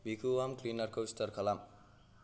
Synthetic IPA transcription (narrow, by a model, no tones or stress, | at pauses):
bʱikʰuwamklinʌrkoist̪ʌrkʰʌlam